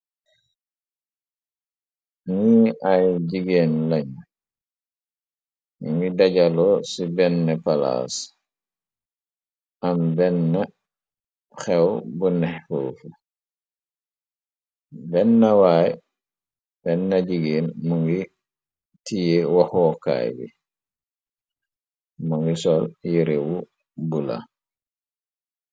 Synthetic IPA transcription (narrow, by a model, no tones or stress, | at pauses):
ŋiajɟiɡeːnlaɲ | uŋɡidaɟalɔsibɛnːɛpala̰s | ambɛnːa | xɛwbunɛhfo̰ːfu | bɛnːɐwaj | b̥ɛnːɐɟiɡiːnmuŋɡi | tijewaxɔka̰jbḭ | maŋɡisɔljiɾewu | bula̰